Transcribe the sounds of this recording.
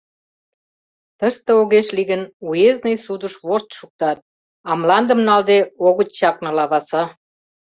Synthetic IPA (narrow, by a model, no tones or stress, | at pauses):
t̪əʃt̪ə̆oɣeʃliɣənueznəjsud̪ə̆ʃβoʃt̪ʃuk̚t̪ɑt̪̚ | ɑmlɑnd̪ə̆mnɑld̪eoɣə̆t̪t͡ɕɑknɤ̆lɑβɑsɑ